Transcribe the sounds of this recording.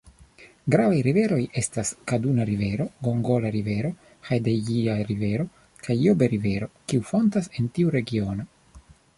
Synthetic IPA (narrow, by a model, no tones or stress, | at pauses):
ɡɾavajɾive̞ɾo̞jʔe̞staskadunaɾive̞ɾo̞ɡo̞ŋɡo̞laɾive̞ɾo̞ | xajdeɡiaɾive̞ɾo̞ | kʰajːobeɾive̞ɾo̞kiufo̞ntase̞ntiuɾe̞ɡio̞no